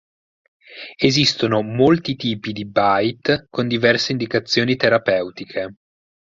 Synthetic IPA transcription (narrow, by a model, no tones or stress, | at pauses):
ezist̪onomolt̪it̪iːpid̪ibajt̪kond̪ivɛrseind̪ikat̪sːjoːnit̪eɾapɛwt̪ikʰe